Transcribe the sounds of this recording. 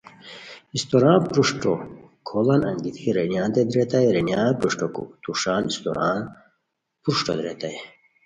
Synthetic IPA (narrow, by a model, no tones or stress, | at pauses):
ist̪oɾaːnpɾuʂʈo | kʰolɐnɐ̰ŋɡit̪ʰiɾenjaːnd̪ed̪ɾet̪ajɾenjaːnpɾuʂʈokṵt̪uʂaːnist̪o̰ɾaːn | pɾuʂʈo̰d̪ɾet̪aj